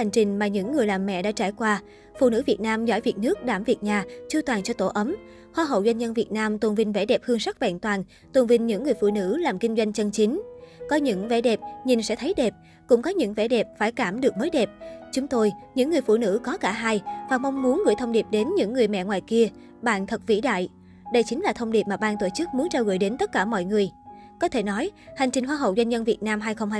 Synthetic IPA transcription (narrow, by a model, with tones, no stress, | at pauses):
ha˨˩ŋ̟t͡ɕï˨˩ŋ̟maː˨˩ɲɨ̰˧˥ŋːɨ˨˩əjlaː˨˩mːɛ̰˧˨ɗa̰ː˧˥t͡ɕaː˧˩jkwaː˧ | fṵ˧˨nɨ̰˧˥vi˨˩ət̚naː˧mzɔ̰˧˥˩jvi˨˩ət̚nɨ˦˥ək̚ɗaː˧˩mvi˨˩ət̚ɲaː˨˩t͡ɕɨ˧t̪waː˨˩nt͡ɕɔ˧t̪o˧˩ʔə˨˦m | xwaː˧ɦə̰˧˨wzwa˧n̟ɲə˧nvi˨˩ət̚naː˧mt̪wə˨˩nvï˧ŋ̟ve˧˩ɗɛ˨˩p̚hɨ˧əŋsa˦˥t̚vɛ̰˧˩nt̪waː˨˩n | t̪wə˨˩nvï˧˩ŋ̟ɲɨ̰˧˥ŋːɨ˨˩əjfṵ˧˨nɨ̰˧˥laː˨˩mkï˧ŋ̟zwa˧jŋt͡ɕə˧nt͡ɕi˨˦ŋ̟kɔ˨˦ɲɨ̰˧˥ŋvḛ˧˩˥ɗɛ˨˩p̚ɲi˨˩nsɛ̰˧˥t̪ʰə˨˦jɗɛ˨˩p̚ | kʊ̰˧˥ŋ͡mkɔ˨˦ɲɨ̰˧˥ŋvḛɛ˧˩ɗɛ˨˩p̚faː˧˩jkaː˧˩mɗɨ˨˩ək̚məː˨˦jɗɛ˨˩p̚t͡ɕʊ˨˦ŋ͡mt̪o˧jɲɨ̰˧˥ŋːɨ˨˩əjfṵ˧˨nɨ̰˧˥kɔ˨˦kaː˧˩ɦaː˧jvaː˨˩mɔ˧wŋ͡mmu˨˦ənɣɨ̰˧˩jt̪ʰə˧wŋ͡mɗi˨˩p̚ɗe˨˦nɲɨ̰˧˥ŋːɨ˨˩əjmɛ̰˧˨ŋwaː˨˩jki˧ə | ɓa̰ː˧˨nt̪ʰə˨˩t̚vḭ˧˥ɗa̰ː˧˨j | ɗə˧jt͡ɕï˨˦ŋ̟laː˨˩t̪ʰə˧wŋ͡mɗi˨˩p̚maː˨˩ɓaː˧˨nt̪o˧˩t͡ɕɨ˦˥k̚mu˨˦ənt͡ɕaː˧wɣə̰˧˩jɗe˨˦nt̪ə˦˥t̚kaː˧˩mɔ̰˧˨jŋɨ˨˩əj | kɔ˨˦t̪ʰe˧˩nɔ˨˦jha˨˩ŋ̟t͡ɕï˨˩ŋ̟ɦwaː˧˩ɦə̰˧˨wzwa˧jnzə˧nvi˨˩ət̚naː˧mɦaː˧jxə˧wŋ͡mh